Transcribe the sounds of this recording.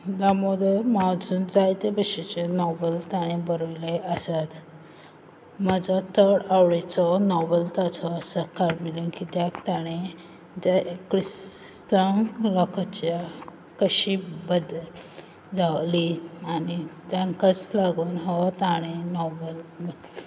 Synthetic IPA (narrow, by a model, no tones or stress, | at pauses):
d̪amɔd̪əmad͡zʱuːnd͡zajt̪ebəɕit͡ɕenɔbəlt̪aɽ̃ẽbəɾojleʔasat̪ | məd͡zɔt̪ʰəɾɽawɭet͡sɔnɔbəlt̪at͡sɔːsəkaɾmilə̃ŋkit̪jakt̪aɽ̃e | d͡ʑakɾis | t̪əŋlɔkat͡ɕja | kəɕibəd̪ | d͡zawlianit̪jãŋkat͡slaɡuːnɦɔt̪aɽ̃enɔbəl